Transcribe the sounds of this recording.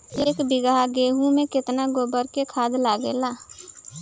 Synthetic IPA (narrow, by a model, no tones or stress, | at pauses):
eːkbɪɡaɡeːɦũmẽkɪt̪naɡoːbəɾkekʰaːd̪laɡelaː